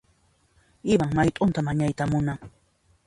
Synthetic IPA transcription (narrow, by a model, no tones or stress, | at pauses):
ɪwaŋmajt̪ʼʊnt̪amaɲajt̪amʊnaŋ